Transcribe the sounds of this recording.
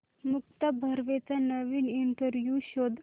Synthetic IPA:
mukt̪əbʱəɾʋet͡sanəʋiːniɳʈəɾʋjuɕod̪ʱ

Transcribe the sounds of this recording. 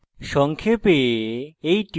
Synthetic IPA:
ʃɔŋkʰepeejʈi

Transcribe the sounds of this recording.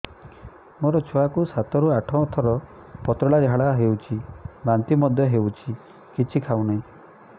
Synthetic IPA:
moɾɔt͡ʃʰɔakusat̪ɔɾuaʈʰɔ̃t̪ʰɔɾɔ | pɔt̪ɾɔɭaɾiɦaɭaɦewt͡ʃʰibant̪imɔd̪ʱjɔɦewt͡ʃʰi | kit͡ʃʰikʰawnaĩ

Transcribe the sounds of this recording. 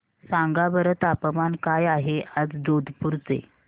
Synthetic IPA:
sãŋɡabəɾət̪apəmankajaɦeəd͡zd͡zod̪ʱpuɾt͡sḛ

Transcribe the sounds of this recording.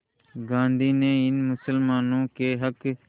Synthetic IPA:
ɡãːnd̪iːneːɪnmʊsəlmaːnũːkeːɦək

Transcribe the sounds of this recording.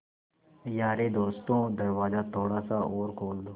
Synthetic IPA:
jaːɾeːd̪oːst̪õːd̪ɐɾʋaːzaːt̪ʰoːɽaːsaoːɾkʰoːld̪oː

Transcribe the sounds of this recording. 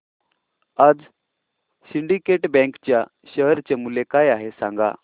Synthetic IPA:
ad͡z | siɳɖikeʈbɛ̃ŋkt͡ɕja | ɕəɦɾt͡ɕemulekajaɦesãŋɡa̰

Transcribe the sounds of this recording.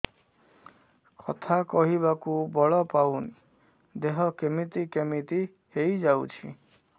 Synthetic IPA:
kʰɔ̰t̪ʰakɔɦiβakubɔɭɔpawni | d̪eɦɔkemit̪ikemit̪i | hejd͡ʒawt͡ʃʰḭ

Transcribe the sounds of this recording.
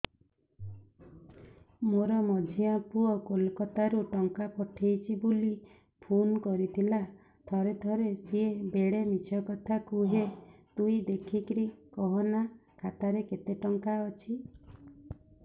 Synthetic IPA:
moɾɔmɔd͡ʒʱiapuɔkolkɔt̪aɾuʈɔŋkapɔʈʰejt͡ʃʰibuli | pʰunkɔɾit̪ʰila | t̪ʰɔɾet̪ʰɔɾesiebeɽemit͡ʃʰɔkɔt̪ʰakuɦet̪uid̪ekʰikɾikɔɦɔnakʰat̪aɾeket̪eʈɔŋkaɔt͡ʃʰi

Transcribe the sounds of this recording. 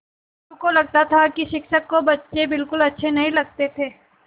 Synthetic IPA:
ukolɐɡ̚t̪at̪ʰakiʃɪkʃəkːobɐtːʃebɪlkʊlɐtːʃʰenɐɦĩlɐɡ̚t̪et̪ʰeː

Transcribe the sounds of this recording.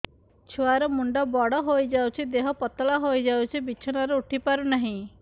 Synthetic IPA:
t͡ʃʰuaɾɔmuɳɖɔbɔɽɔɦojd͡ʒawt͡ʃʰid̪eɦɔpɔt̪ɔlaɦojd͡ʒawt͡ʃʰibit͡ʃʰɔnaɾeuʈʰipaɾunaɦĩ

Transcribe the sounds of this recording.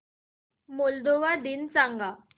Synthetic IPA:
mold̪oʋad̪int͡sãŋɡa

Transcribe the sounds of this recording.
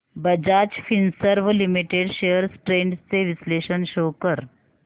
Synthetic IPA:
bəd͡ʑat͡ɕfinsəɾʋlimiʈeɖɕejəɾsʈɾeɳɖst͡seʋisleɕənɕokəɾ

